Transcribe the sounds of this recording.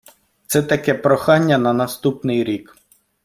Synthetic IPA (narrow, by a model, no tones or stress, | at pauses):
t̪sɛt̪ɐkɛpɾɔxɑnʲːɐnɐnɐst̪upnɪjɾʲik